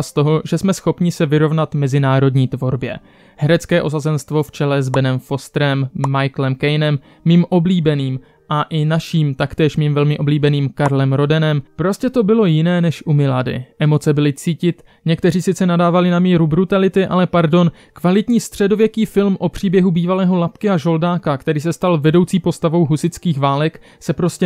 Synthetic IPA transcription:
st̪o̞ɦo̞ʒɛsmɛsxo̞pɲɪsɛvɪɾo̞vnat̪mɛzɪnaːɾo̞dɲiːt̪vo̞ɾbjɛ̰ | hɛɾɛt͡skɛːʔo̞sazɛnst̪vo̞ft͡ʃɛlɛzbɛnɛmfo̞st̪ɾɛmːajklɛmkɛjnɛmː | iːmʔo̞bliːbɛniːm | ʔaʔɪnaʃiːmt̪akt̪ɛːʃmiːmvɛlmɪʔo̞bliːbɛniːmkaɾlɛmɾo̞dɛnɛmpɾo̞scɛt̪o̞bɪlo̞jɪnɛːnɛʃʔumɪlaːdɪ̰ʔɛmo̞t͡sɛbɪlɪt͡siːcɪt̪ | ɲɛkt̪ɛriːsɪt͡sɛnadaːvalɪnamiːɾubɾut̪alɪt̪ɪʔalɛpaɾdo̞n | kvalɪt̪ɲiːst̪r̝̥ɛdo̞vjɛkiːfɪlmʔo̞pr̝̥iːbjɛɦubiːvalɛːɦo̞lapkɪaʒo̞ldaːkakt̪ɛɾiːsɛst̪alvɛdo̞wt͡siːpo̞st̪avo̞wɦusɪt͡skiːxvaːlɛk | sɛpɾo̞scɛ

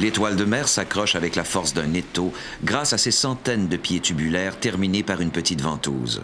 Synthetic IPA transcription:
let̪wald̪əmɛːʁsakʁɔʃavɛklafɔʁsd̪ɛ̃net̪o | ɡʁasasesɑ̃t̪ɛnd̪əpjet̪ybylɛːʁt̪ɛʁminepaʁynpət̪it̪vɑ̃t̪o̰ːz

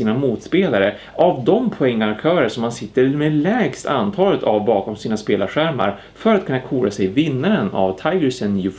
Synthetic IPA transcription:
iːnamuːt̪speːlaɾə | ʔavd̪ɔmpʰɔɛŋːaɾkt̪ʰœːɾəʂɔmhansɪt̪ːəɾmɛlɛːɡst̪a̰nt̪ʰɑːlət̪ʰavbɑːkɔmsiːnaspeːlaɾɧæɾma̰ɾ | fœɾat̪̚kʰɵnːakʰuːlasɛjvɪnːaɾəna̰vt̪ʰajɡəsɛnjʉ

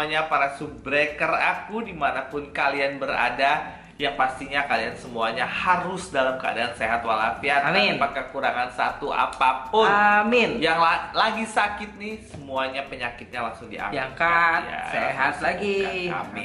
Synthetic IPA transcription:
aɲapaɾasubɾekərakudimanapʊnkalianbəɾa̰da | jaŋpast̪iɲakaliansəmuaɲahaɾʊsdalamkəa̰daːnseɦat̪wala̰fiat̪apakːəkuɾaŋansat̪uʔa̰papʊnmɪnjaŋlalaɡisakɪt̪̚nɪhsəmuaɲapəɲakɪt̪̚ɲalaŋsʊŋdia̰akaja̰seɦat̪̚laɡiaa̰mɪ

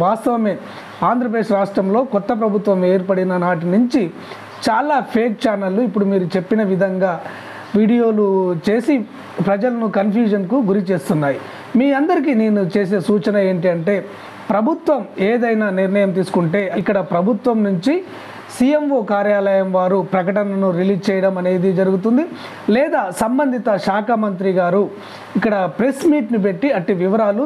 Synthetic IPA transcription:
ʋaːst̪ɐʋɐme̞ː | aːnd̪ɾɐp̬ɾeːʂɐɾaːʂʈɾɐmlo̞ːkɔt̪ːɐp̬ɾɐbʱut̪ʋɐme̞ːɾpɐɽinɐnaːʈ̬inuɲt͡ʃi | t͡ʃaːlaːpʰe̞ːk̚t͡ʃaːnɐlːuipːuɽumiːɾut͡ʃe̞pːinɐʋid̪ʱɐŋɡaː | ʋiːɽijo̞ːlut͡ʃe̞ːsi | pɾɐd͡ʒɐlɐnukɐnpʰjuːd͡ʒɐnkuɡuɾit͡ʃe̞ːst̪unːaːji | miːɐnd̪ɐɾik̬ineːnut͡ʃe̞ːs̬e̞ːsuːt͡ʃɐnɐe̞ːɳʈiɐɳʈe̞ː | pɾɐbʱut̪ʋɐmeːd̪ɐjnaːniɾnɐjɐmt̪̬iːsu̥kuɳʈe̞ːʔɐkːɐɽɐpɾɐbʱut̪ʋɐmnuɲt͡ʃi | sijemʋokaːɾjaːlɐjɐmʋaːɾupɾɐkɐʈɐnɐnuɾiliːd͡ʒt͡ʃɛːjɐɽɐmɐne̞ːd̪id͡ʒɐɾuɡut̪̬und̪i | lɛːd̪aːsɐmbɐnd̪ʱit̪ɐʃaːkʰɐmɐnt̪̬ɾiɡaːɾu | ikːɐɽɐpɾe̞smiːʈnip̬e̞ʈːiɐʈːiʋiʋɐɾaːlu

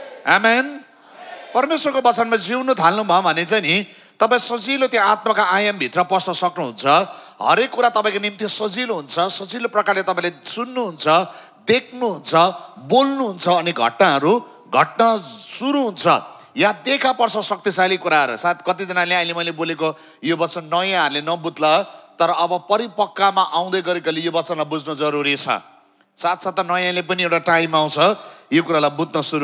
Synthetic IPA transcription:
amen | pʌrmeswʌrkobʌt͡sʌnmad͡ziwnut̪ʰalnubʱʌobʱʌnet͡sajni | t̪ʌpaĩsʌd͡zilot̪jõat̪makaʔajʌmbʱit̪rʌpʌrsʌsʌknuɦunt͡sʰʌ | ɦʌ̰ɾekːuɾat̪ʌpãĩkonimt̪isʌd͡ziloɦunt͡sʰʌsʌd͡ziloprʌkarlet̪ʌpãĩlasunːuɦunt͡sʰʌ | d̪ekʰnuɦunt͡sʰʌbolnuɦunt͡sʰʌːniɡʱʌ̰ʈnaɦʌɾu | ɡʱʌʈnʌsuɾuɦunt͡sʰʌ̰ | jad̪ekʰapʌrt͡sʰʌsʌk̚t̪isalikuɾaɦʌɾṵsat̪kʌt̪id͡zʌnaleaĩlemʌjleboleko | jobʌtt͡sʌnːʌjãɦʌɾulenʌbud̪lʌt̪ʌɾʌːbʌpʌɾipʌkːamaʔaw̃d̪ʌjɡʌɾekalejobʌtt͡sʌnlajbud͡znʌd͡zʌɾuɾit͡sʰʌ̰ | sat̪sat̪ʌnʌjãlep̬ʌniewʈaʈaimaw̃t͡sʰʌjokuɾalajbud̪nʌsuɾu

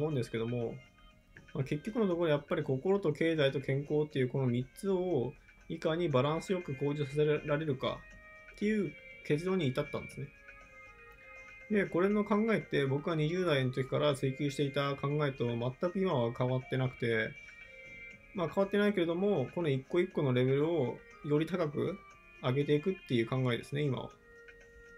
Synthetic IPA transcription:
oɯ̃nd̪e̞sɨ̥ke̞d̪o̞mo̞ | make̞kʲːo̞kɯ̟no̞t̪o̞kod̪ojapːaɾʲiko̞ko̞ɾo̞t̪o̞ke̞ːzait̪o̞kʰẽ̞ŋko̞ːt̪ːe̞jɯ̟ːko̞no̞mʲit͡sɨo | ikaɲ̟ibaɾãɰ̃sɨjo̞kɯ̟ko̞ːd͡ʑoːsase̞ɾɾaɾe̞ɾɯ̟ka̰ | t̪ːe̞jɯ̟ːke̞t͡sɨd̪o̞ːɲ̟iːt̪at̪ːã̰nd̪esɨne | d̪e̞ko̞ɾe̞no̞kãŋɡae̞t̪ːe̞bo̞kɯ̟ɡaɲ̟iʑɨːd̪aino̞t̪o̞kʲi̥kaɾat͡sɨikʲɨːɕi̥t̪e̞it̪akãŋɡae̞t̪o̞mat̪ːakɯ̟imaβakaβat̪ːe̞nakɯ̟̥t̪e̞ | makaβat̪ːe̞naike̞ɾe̞d̪o̞mo̞ko̞no̞ikːo̞ikːo̞no̞ɾe̞be̞ɾɯ̟o̞ | jo̞ɾʲit̪akakɯ̟ | aɡe̞t̪e̞ikɯ̟t̪ːe̞jɯ̟ːkãŋɡae̞d̪e̞sɨneima̰βa̰

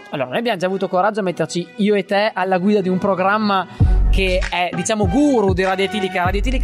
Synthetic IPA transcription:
alːoːɾanoːjabjamod͡ʒaːvuːt̪okoɾad͡ʒːoamːet̪ːert͡ʃiiːoet̪ːɛalːaɡwiːd̪ad̪iumpɾoɡɾamːakeɛd̪it͡ʃaːmoɡuːɾud̪iɾad̪jot̪iːlikaɾad̪jot̪ilika

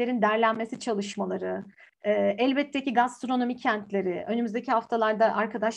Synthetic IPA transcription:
e̞ɾind̪æɾlʲænmesit͡ʃʰalˠɯʃmalˠaɾɯː | ʔɛlʲbɛt̪ʰːeciɡast̪ɾo̞no̞micʰɛnt̪ʰlʲe̞ɾɪʔø̞nymyzd̪ecʰihaft̪ʰalˠaɾd̪aʔaɾkʰad̪aʃ

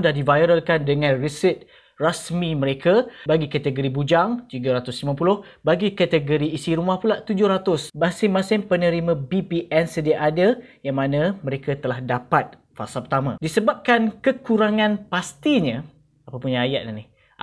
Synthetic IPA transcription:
dahdivajɾəlkandəŋãnrisit̪̚ | rasmĩməɾekʰabaɡikat̪əɡoɾibud͡ʒaŋt̪iɡaɾat̪ʊslimãpulʊh | baɡikat̪əɡoɾiːsiɾumahpulaʔt̪ud͡ʒʊhɾat̪ʊsbasɪŋmasɪŋpənəɾimãbipiʔɛnsədiaʔadajaŋmãnãmə̃ɾekat̪əlahdapat̪̚ | fa̰salpərt̪amã̰disəbap̚kankəkuɾaŋãnpast̪iɲə̃ | apapʊunɲaajaʔ̪̚nanih

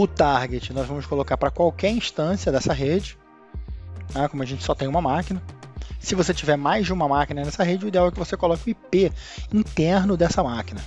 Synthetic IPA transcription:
ʊt̪aɾɡet͡ʃɪnɔzvɐ̃mʊskolokaɾpɾɐkwawkɛɾĩʃt̪ɐ̃sijɐd̪ɛsɐɦed͡ʒɪ | akõmʊɐʒẽnt͡ʃɪsɔt̪ẽj̃ũmɐmakinɐsɪvoset͡ʃivɛɾmajzd͡ʒɪũmɐmakinɐnɛsɐɦed͡ʒɪʊid̪eawɛkɪvosekolɔkʊipeĩt̪ɛɾnʊd̪ɛsɐmakinɐ

